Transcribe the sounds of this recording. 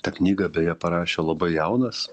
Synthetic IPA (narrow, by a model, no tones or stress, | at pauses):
t̪ɐknʲiːɡɐbʲɛjɛpɐɾɑːʃʲoːlˠɐbɐɪjɛʊnɐs